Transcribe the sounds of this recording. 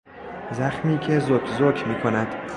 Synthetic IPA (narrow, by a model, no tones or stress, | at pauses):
zæxmiːcʰe̞zokʰzoːkʰmiːkʰonæd̪̥